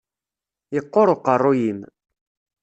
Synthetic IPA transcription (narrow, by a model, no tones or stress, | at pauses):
jəqːoɾˤoqərˤːojin